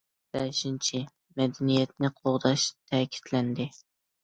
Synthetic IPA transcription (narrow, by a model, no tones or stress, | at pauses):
b̥æʃɪnt͡ʃʰɪ | mɛd̪ænijɛt̪̚nɪqʰoʁd̪ɑʃt̪ʰækʲʰɪ̥t̪lænd̪ɪ